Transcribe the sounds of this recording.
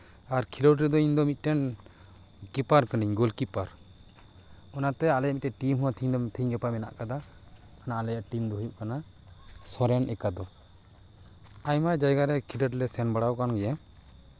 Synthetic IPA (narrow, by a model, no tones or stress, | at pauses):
aɾkʰilɔɾɾɛd̪ɔind̪ɔmit̪̚ʈɛn | kipaɾkəniɲɡɔlkipaɾ | ɔnat̪ɛalɛjaʔmit̪̚ɛʈimɦuwat̪ʰiɲd̪ɔt̪ʰiɲɡɛpamɛna̰ʔkad̪a | anaʔalɛjaʔʈimd̪ɔɦujuʔkana | sɔɾɛnʔɛkad̪ɔs | ajmajd͡ʒajɡaɾɛkʰiɖəʈlɛsɛnbaɽawkanɡɛja